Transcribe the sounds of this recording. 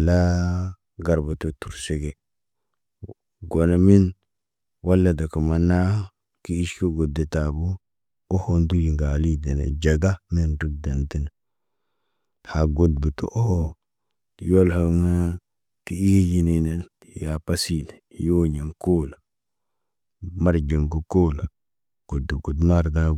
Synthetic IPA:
la˦ | ɡa˨ɾba˨to˨tu˨ɾse˨ɡe˦ | ɡo˨na˨mi˦n | wa˦lːa˦da˨ki˨ma˨na˦ | ki˦i˦ʃko˦ɡo˨de˨ta˨bu˦ | o˦ho˦ndu˦ji˨ŋɡa˨li˦de˨nḛ˨d͡ʒa˨ɡa˦mi˦ndi˦ɡ̚da˨nti˦ne˨ | ha˨ɡo˨d̚bi˨tṵ˦ʔo˦h | ti˨jo˦lha˨ŋa˦ | ti˦i˦ji˦ni˨ne˨ | ja˨pa˦si˦˨le˨jo˦ɲi˨ŋko˦la˨ | ma˦ɾd͡ʒi˨ŋɡu˦koː˦la˨ | ɡ̥o˨dːe˨ɡo˨dma˦ɾda˦

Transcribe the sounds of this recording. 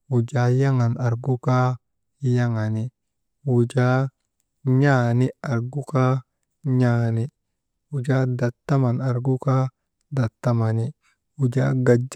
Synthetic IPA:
u˨d͡ʒa˦ja˦ŋa˨na˨ɾɡu˦ka˦ | ja˦ŋa˨ni˨ | u˨d͡ʒa˦ | ɲa˦ni˦a˨ɾɡu˦ka˦ | ɲaːni˦ | u˨d͡ʒa˦da˨t̪ːa˦ma˨na˨ɾɡu˦ka˦ | da˨t̪ːa˦ma˨ni˦ | u˨d͡ʒa˦ɡa˨d͡ʒ

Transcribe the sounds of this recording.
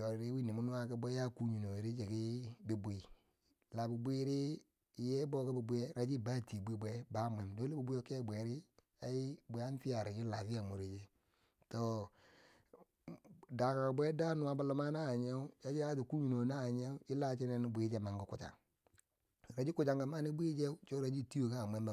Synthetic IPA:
jo˨ɾɾi˦wi˦ni˨mu˦nu˦a˦ki˦be˦ja˦ku˦ɲu˨no˨ɾi˦d͡ʒe˨ki˦bi˨bi˨ | la˨bi˨bʷi˦ɾi˦ | je˦bo˦ki˦bi˨bu˦je˦ɾa˨d͡ʒi˦ba˦ti˨bi˦bʷe˦ba˦mʷ˨e˨mdo˦li˦i˨bu˦o˦ke˦˨bʷe˨ɾi˦ | a˨˦i˦be˨a˦n˦fi˦a˨ɾi˨d͡ʒi˦la˨fi˦ja˨mu˨ɾi˨d͡ʒi˦ | to˨ | da˨ka˨ka˨bʷe˦da˦nu˨a˨˦ba˨lu˦ma˦naː˦˨ɲe˦u˦t͡ʃa˦d͡ʒi˦a˦di˨ku˦ɲi˨no˨na˦˨ɲe˦u˦i˦la˦t͡ʃi˦ne˦ni˦bʷi˨˦d͡ʒe˦ma˨ŋɡu˦ku˦˨t͡ʃa̰˨ | ɾa˨d͡ʒi˦ku˨t͡ʃa˨ŋɡa˨ma˦ni˦bʷi˦d͡ʒe˦t͡ʃo˦ɾa˨d͡ʒi˦˨ti˦o˦ka˦˨mʷ˨e˦ba˨

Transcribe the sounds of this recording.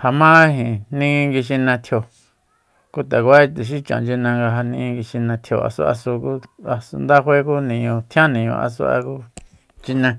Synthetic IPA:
ha˧mã˦ɦĩ˨nĩ˦˧ŋɡi˧ʃ̬i˧nã˧t̪ʰjo˧ | ku˦t̪a˨kʷa˦i˦˧t̪u˨ʃ̬i˦t͡ʃã̰˨nd͡ʒi˧nã˧ŋɡa˧ɦa˧nĩ˧ŋɡi˧ʃi˧nã˧t̪ʰjo˧a̰˧sṵ˦ʔa̰˧su˧ku˦a˧su˧nd̪a˦xʷwʷe˦ku˦nĩ˨ɲõ˧t̪ʰj̃ã˦nĩ˨ɲõ̰˧a̰˧s̬ṵ˧˦a̰˧ku˦ | t͡ʃi˧nã˧

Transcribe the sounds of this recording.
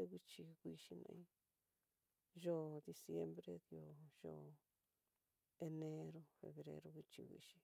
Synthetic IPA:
e˧kʷi˦t͡ʃi˧kʷi˧ʃi˧nã̰˧ĩ˦ | ʒo˦˨d̪i˧sje˦mbɾe˦ðjo˨ʒo˦˨ | e˧ne˦ɾo˧fḛ˧βɾḛ˦ɾo˧kʷi˧t͡ʃi˧kʷḭ˧ʃi̥˧

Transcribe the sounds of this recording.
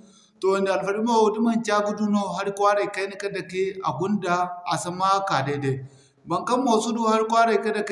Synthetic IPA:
to˨wɐ˨nde˨a˨lfɐ˨ɾi˦ma˦˨wo˨di˦ma˦˨nt͡ʃa˦ɡu˦du˦no˦ɦa˦ɾka˦ɾa˨ka˦ni˦ka˦da˨ke˦a˨ɡʊ˦nda˨a˨sɐ˦ma˦ka˨de˦da˨ | bɐ˨ŋkɐ˦mːo˨su˦du˦ha˦ɾkʷwa˦ɾa˨jka˦da˨k

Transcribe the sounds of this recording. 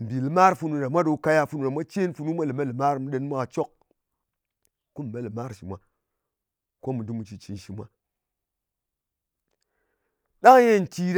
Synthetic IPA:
m̩˨bi˨li˨ma˦ɾfu˧nu˨ɾa˨mʷa˦ɗo˨˦ka˦ja˦fu˨nu˨ɾa˨mʷa˦t͡ʃe˦nfu˨nu˦mʷa˦li˨ma˦li˨ma˦ɾmu˨ɗe˨˦n˦mʷa˦ka˨t͡ʃo˦k̚ | ku˦m˨ma˦li˨ma˦ɾʃi˨mʷa˦ | ko˦mu˨du˦mu˨t͡ʃi˨t͡ʃi˨nʃi˨mʷa˦ | ɗa˦ŋ˦je˦˨n˨t͡ʃi˦ɾ

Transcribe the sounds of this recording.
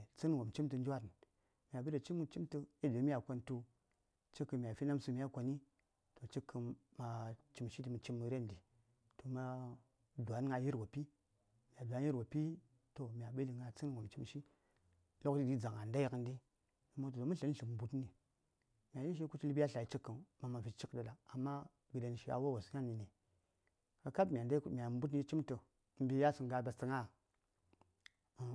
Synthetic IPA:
t͡si˦n˦˨wo˨mt͡ʃi˦mtə˨nd͡ʒa˦ɾ | mja˨be˦ɾe˨t͡ʃi˦mːu˦t͡ʃi˦mtə˦i˦de˨˦mʲ˦a˨kʷo˦ntu˦ | t͡ʃi˦kːə˨mʲ˨a˨fi˦na˦msu˦m˦ja˦kʷo˨ni˦ | to˨t͡ʃi˦kʰːə˨ma˨t͡ʃi˨mʃi˦di˨mə˨t͡ʃi˦mːə˨ɾe˦n˨di˨ | to˨ma˦ | du˨a˨˦n˦ŋa˨ji˦ɾwo˨pi˦ | mi˨a˨du˨a˨˦i˦ɾwo˨pi˦ | to˨mʲ˨a˨ɓe˦li˨ŋa˨t͡si˦n˦˨wo˨mt͡ʃi˦mʃi˦ | lo˦kdi˦di˦d͡za˨ŋa˨nda˦ji˦kə˦ndi˦ | i˨mo˦to˨to˨m˦ɬə˦n˦ɬə˨m̩˨bu˦tni˨ | mʲ˨a˨ji˦ʃ̬i˦ku˦t͡ʃi˦bja˦ɬa˨i˨t͡ʃi˦kːə˨n˨ma˨ma˨vi˨t͡ʃi˦kɗə˨da˨a˨mːa˦ | ɡi˨da˨n˨ʃi˦a̰˨wo˦˨wa˨sŋa˦mi˨ni˨ | ka˨ka˦bmʲ˨a˨nda˦kmʲ˨a˨˦bu˦t̬n˦i˦t͡ʃi˦mtə˨˦ | m̩˦bi˦ja˦su˨ŋ˦ɡa˨ba˨stə˨ŋa˦˨

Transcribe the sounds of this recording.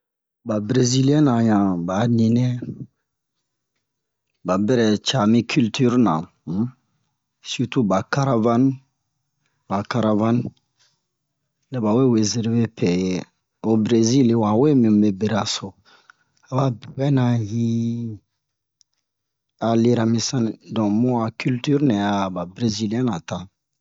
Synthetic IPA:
ba˨bɾe˨zi˦li˦ɛ̃˦nã˨ɲã˨ba˨˦nĩ˨nɛ˦ | ba˨bɪ˦ɾɛ˨t͡ʃa˨mĩ˦kʰy˦lt̪ʰy˦ɾnã̰˨˦ | su˦tu˦ba˨ka˦ɾa˦va˦n | ba˨ka˨ɾa˨va˦n | ne˨ba˨we˦we˨ze˨ɾve˦pʰɛ˨je˨ | o˨bɾe˦zi˦lwã˨we˦mĩ˨be˨be˨ɾa˨so˨ | a˨ba˨bbɛ˦nã˨ji˦ | a˨le˦ɾa˦mĩ˦sã˦nĩ˨dɔ̃˨mũ˦a˨ky˦lty˦ɾnɛ̃˨a˦˨ba˨bɾe˦zi˦ljɛ̃˦na˨ta˦

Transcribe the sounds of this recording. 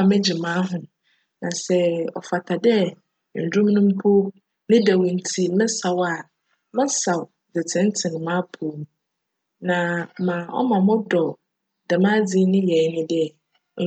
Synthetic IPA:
mɛ̃˦d͡ʑi˨mãː˨˦ɦʊ̃˨ | nã˨sɛ˦ɔ̰˨fa˨tʰa˨dɛ˦˨ | n̩˨dũ˦m˦nũ˦m̩˦pʰo˦ | nɪ̃˦dɛ˨wĩ˨n̩˨tʰi˦mɪ̃˦sa˨wa˨ | mɪ̃˦sa˨w | dɪ˨tʰɪ̃˦n˦tʰɪ̃˨n˨mã˦pʰo˨˦m˨ | nã˨mã˨ɔ̰˦mã˨mɔ̃˦dɔ˨ | dɛ˨mã˦d͡zɪ˦nɪ̃˦jɛ˨˦nɪ̃˦dɛ˦˨

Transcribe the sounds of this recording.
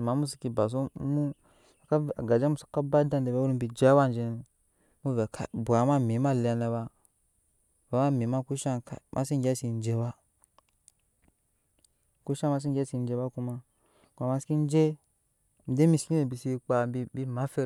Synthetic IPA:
ma˨˦mu˦s̬i˨ki˨ba˨s̬u˦mu˦˨ | ka˦a˨ɡa˨d͡ʒa˦mu˦˨su̥˦ka˦ba˦da˦nde˨be˨˦wu˦ɾm˦bi˨d͡ʒa˦wa˦nd͡ʒe˨n˨ | mu˦ve˨ka˦bu˨a˨ma˦mi˨˦ma˦˨li˨a˨ne˨ba˦ | va˨ma˦mi˨ma˦ku˦ʃa˦ka̰˦mʔa̰˦si˦ɡʲa˦si˨n˦d͡ʒe˦ba˦ | ku˦ʃa˦ma˦s̬i˦ŋɡʲa˦si˨n˦d͡ʒe˦ba˦ku˦ma˦ | kʷa˨ma˦ski˦n˦d͡ʒe˦ | m̩˨de˦mi˦˨ski˦be˨bi˨si˦k͡pa˨bi˦bi˦ma˦fe˦

